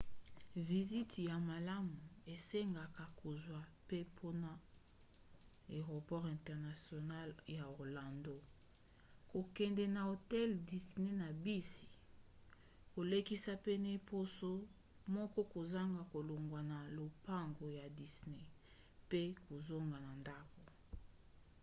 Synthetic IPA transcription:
vi˨zi˦tja˨ma˨la˦mu˨e˨se˦ŋɡa˨ka˨ko˨zwa˦pe˦pʰo˦na˨ | e˨ʁo˨pɔ˦ʁɛ̃˨ntɛ˨ʁna˨sjo˨na˦lja˨o˨ʁla˨ndo˦ | ko˨kɛ˨ndɛ˨na˨o˨tɛ˦ldi˨sne˦na˨bi˦si̥˨ | ko˨le˦ki˦sa˦pe˦n˨e˨po˦so˦ | mɔ˦kɔ˦ko˨za˦ŋɡa˨ko˨lo˨ŋɡwa˨na˨lo˨pa˦ŋɡo˨ja˨di˨sne˦ | pe˦ko˨zo˦ŋɡa˨na˨nda˦ko˨

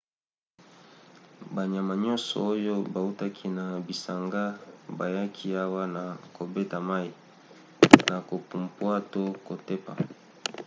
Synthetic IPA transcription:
ba˨ɲ˨a˨ma˨ɲɔ˦sɔ̰˨o˦jo˦ba˨u˦ta˦kʰi˦na˨bi˨sa˨ŋɡa˦ba˨ja˦kʰi˦a˦wa˦na˨ko˨be˦ta˨ma˦i˨ | na˨ko˨pu˨mpwa˦to˦ko˨te˦pa̰˨

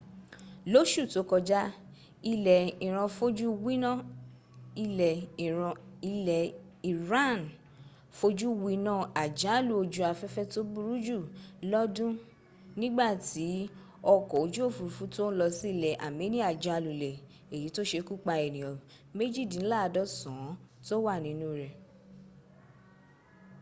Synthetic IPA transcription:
lo˦ʃu˦˨to˨˦kɔ˧d͡ʒa˦ | i˧lɛ˨ĩ˨ɾ̃ã˧fo˦d͡ʒu˦wi˦nã˦˨ | i˧lɛ̃˨˧ | i˧lɛ˨ | i˨ɾã˦n | fo˧˦d͡ʒu˦wi˧nãː˦˨a˨d͡ʒã˨˦˨lu˧˦o˧d͡ʒu˦a˧fɛ˦fɛ˦to˦bu˦ɾu˦d͡ʒu˦˨lɔ˦dũ˦ | nĩ˦ɡ͡ba˦˨ti˨˦ | ɔ˧kɔ˨o˨d͡ʒu˦o˦˨fu˨˧ɾu˨fũ˦to˦lɔ˧si˦˨lɛ˨ʔa̰˨me˨˦nĩ˦a˦˨d͡ʒa˧˨lu˨lɛ˨ | e˨ji˨˦to˦ʃe˧ku˦k͡pa˧ɛ˨nĩ˨ɔ˨ | me˦d͡ʒi˦˨dĩ˨n̩˦la˦˧dɔ˦sã˨˦to˦wa˦˨nĩ˨˦nũ˦ɾɛ˨

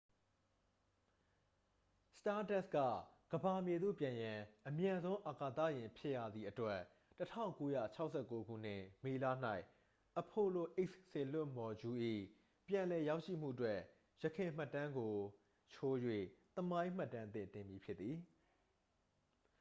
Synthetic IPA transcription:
sta˦tɛ˦˨skä̰˦˨ɡ̥əba˨mje˨d̪o̰˦˨pjã˨jã˨ʔəmjã˨nzõ˦ʊ̃ʔa˨ka˨t̪ä̰˦˨jɪ̃˨pʰjɪ˦ʔja̰˦˨d̪ði˨ʔətwɛ˦˨ | tətʰã̰˦˨ʊ̃ŋko˦jä̰˦˨t͡ɕʰa˦ʊʔsɛ˦˨kːo˦ɡṵ˦˨n̥ɪ̰˦˨me˨la̰˦˨n̥a˦ɪʔ | ʔəpʰo˨lo˨ʔe˦sse˨l̥ʊ̃˦˨mbɔ˨d͡ʑu˦ʔḭ˦˨ | pjã˨lɛ˨ja˦ʊʔʃḭ˦˨m̥ṵ˦˨ətwɛ˦˨ | jəkʰɪ̃˨m̥a˦˨tːã˦ŋɡo˨ | t͡ɕʰo˦jwḛ˦˨t̪əmã˦ɪ̃m̥a˦˨tːã˦nt̪ɪ̰̃˦˨t̪ɪ̃˨mbji˨pʰjɪ˦t̪ːi˨

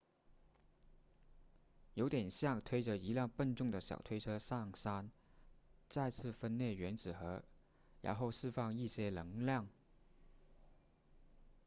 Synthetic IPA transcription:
jo˧˥ʊt̪jɛ˨˩nɕjɑ˥˩ŋt̪ʰwe˥ɪʈ͡ʂə˧i˧˥ljɑ˥˧ŋpə˥˧nʈ͡ʂʊ˥˩ŋd̪ə˩ɕjɑ̰˨˩ʊt̪ʰwe˥ɪʈ͡ʂʰɤ˥sɑ˥˩ŋsa˥n | t͡sa˥˧ɪt͡sʰɹ̩˥˩fə˥nnjɛ˥˩ɥɛ˧˥nt͡sɹ̩˨˩xɤ˧˥ | ɻa̰˧˥nxo˥˧ʊʂɻ̩˥˧fɑ˥˧ŋi˥˩ɕjɛ˥lɤ˧˥ŋljɑ˥˩ŋ

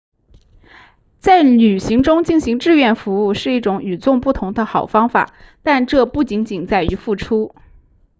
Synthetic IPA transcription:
t͡sa˥˩ɪny˨˩ɕi˧˥ŋʈ͡ʂʊ˥ŋt͡ɕi˥˩nɕi˧˥ŋʈ͡ʂɻ̩˥˧ɥɛ˥˩nfu˧˥u˥˧ʂɻ̩˥˧i˥˩ʈ͡ʂʊ˧˥ŋy˨˩t͡sʊ˥˧ŋpu˥˩t̪ʰʊ˧˥ŋd̪ə˧xɑ˨˩ʊfɑ˥ŋfa̰˨˩˦t̪a˥˧nʈ͡ʂɤ˥˧pu˥˩t͡ɕi˧˥ŋt͡ɕi˨˩nt͡sa˥˩ɪy˧˥fu˥˩ʈ͡ʂʰu˥

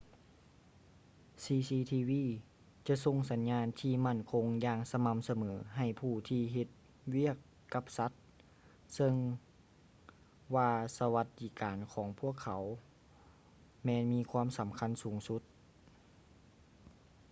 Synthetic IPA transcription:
siː˧siː˧t̪ʰiː˧wiː˧˨ | t͡ɕa˧˥ʔso˧ŋsa˨˦nɲaː˧nt̪ʰiː˧˩ma˥˩˨nkʰo˧ŋjaː˧ŋsa˧ma˧˥msa˧mɤː˩˦ɦa˨˩jpʰuː˧˩t̪ʰiː˧ɦe˧˦t̪̚ | wi˥˩əkː | a˧˦p̚sa˧˦˥t̪̚ | sɤ˧ŋ | waː˧sa˧ʋa˧t̪̚diː˧˩kaː˨nkʰɔː˩˦ŋpʰu˧˥˩əkʰːa˨˩˦w | mɛː˧˥nmiː˧˥kʰwaː˧˥˨msa˨˦mkʰa˧˥˨nsuː˨˩˦ŋsu˧˦˥t̪̚

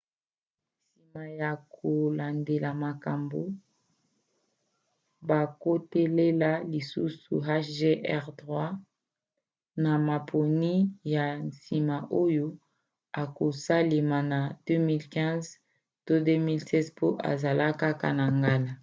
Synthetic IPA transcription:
si˨ma˨ja˨kʰo˨la˨nde˨la˨ma˨ka˨mbo˨ | ba˨ko˦te˦le˦la˦li˨sṵ˦sṵ˨ɦa˦ʃʒe˦ʔɛ˦ʁdʁwa˦ | na˨ma˨pʰo˨ni˦ja˨nsi˨ma˨ʔo˦jo˦ | a˨ko˨sa˦le˨ma˨na˨d̥ø˦mi˦lkɛ̃˦z | to˦dø˦mi˦lsɛ˦zpʰo˦ʔa̰˨za˨la˦ka˦ka̰˨na˨ŋɡa˦la˨

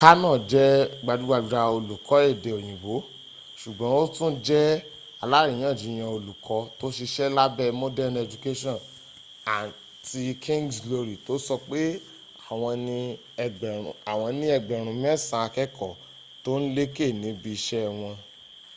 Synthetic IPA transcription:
ka˦nãː˦˨d͡ʒɛ˦ɡ͡ba˧du˦ɡ͡ba˧bi˧ɾa˧o˧lu˨kʰɔ˨˦e˦˨de˨o˨j̃ĩ˨bo˨˦ | ʃu˨ɡ͡bɔ̃˨˦o˦tũ˦d͡ʒɛ˦ | a˧la˦ɾĩ˨j̃ãː˦˨d͡ʒi˨˦j̃ã˧o˧lu˨kʰɔ˨˦to˦ʃe˧ʃɛ˦la˦bɛ˦mɔ˦dɛ˦nɛ˧˨d͡ʒu˨ke˦ʃɔ̃˦˨n | a˨ | ti˧kʰĩ˦ŋɡslo˧ɾi˨to˨˦sɔ˧k͡pe˦ | a˨w̃ɔ̃˧nĩ˧˨ | a˨w̃ɔ̃˧nĩ˦ɛ˧ɡ͡bɛ˨ɾ̃ũ˨mĩ˦ɛ˦˨sã˧a˧kɛ˦kɔ˦˨ | to˦n̩˦le˦ke˦˨nĩ˨˦bi˧ʃɛ˦˧˨w̃ɔ̃˧

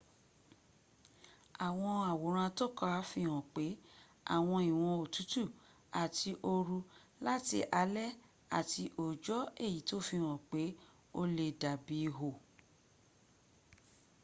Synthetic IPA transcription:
a˨w̃ɔ̃˧a˨wo˨ɾ̃ã˧to˦˨ka˧˦˨fi˧hɔ̃˨k͡pe˨˦ | a̰˦˨w̃ɔ̃˧i˨w̃ɔ̃˧o˨tu˨˦tu˦˨ | a˨tʰi˧ʔo˧ɾu˧la˦tḭ˧˦ʔa˧lɛ˦ | a˨ti˧ʔo˨d͡ʒɔ˨˦e˦˨ji˨˦to˦fi˧hɔ̃˨k͡pe˨˦ | o˧le˧˨da˨bi˨˧ɦo˨

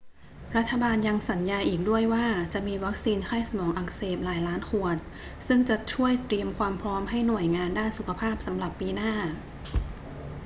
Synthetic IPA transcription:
ɾa˦˥t̪ʰːa˧baː˧nja˧ŋsa˩˦njaː˧jʔiː˨˩k̚du˥˩əjwaː˥˩t͡ɕa˨˩ʔmiː˧wa˦˥k̚siː˧nkʰaː˥˩jsa˧mɔː˩˦ŋʔa˨˩k̚seː˨˩p̚laː˩˦jlaː˦˥nkʰu˨˩ət̪̚ | sɯ˥˩ŋt͡ɕa˨˩ʔt͡ɕʰu˥˩əjt̪ɾi˧əmkʰwaː˧mpʰɾɔː˦˥mɦa˥˩jnu˨˩əjŋaː˧ndaː˥˩nsu˨˩kʰa˧pʰaː˥˩p̚sa˩˦mɾa˨˩pːiː˧naː˥˩

